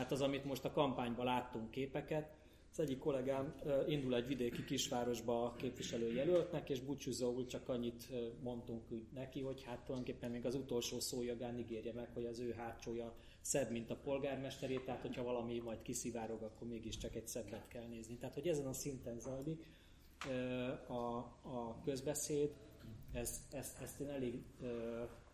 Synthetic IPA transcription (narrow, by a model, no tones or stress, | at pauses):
aːt̪ɒzɒmit̪mo̞ʃt̪ɒkɒmpaːɲbɒlaːt̪ːuŋkːeːpɛkɛt̪ | zɛɟːikːo̞lɛɡaːmːind̪ulɛɟʋid̪eːkikiʃʋaːɾo̞ʒbɒːkeːpʋiʃɛløːjɛlølt̪nɛkeːʒbut͡ʃuzoult͡ʃɒkɒɲːit̪mo̞nt̪uŋkyːnɛkiɦo̞chat̪ːojd̪oŋkepːɛmmeːɡɒzut̪o̞lʃoːsoːjɒɡaːniɡeːrjɛmɛkho̞ɟɒzøːɦaːt͡ʃoːjɒ | sɛbmint̪ɒpo̞lɡaːrmɛʃt̪ɛɾeːt̪ɛɦaːt̪ho̞cʰhɒvɒlɒmimɒjt̪kisivaːɾo̞ɡɒkːo̞rmeːɡiʃt͡ʃɒkɛcsɛbːɛt̪kɛlneːznit̪ɛɦaːt̪ho̞ɟɛzɛnɒsint̪ɛnzɒjlikː | ɒ | kø̞zbɛseːd̪ | ɛzɛsɛst̪eːnɛleːɡøː